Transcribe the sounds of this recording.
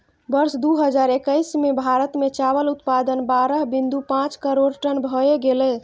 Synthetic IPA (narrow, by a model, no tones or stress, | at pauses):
bəɾsd̪uɦəd͡ʒaɾekəjsmebʱaɾət̪met͡ʃabəlut̪pad̪ənbaɾəɦbind̪upãt͡ʃkəɾoɾʈənbʱɔeɡelɛ